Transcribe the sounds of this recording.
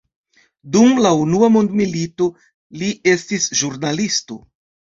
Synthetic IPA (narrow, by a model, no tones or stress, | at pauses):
dumlaunuamondmilito̞ | liʔe̞stisʒuɾnalisto̞̰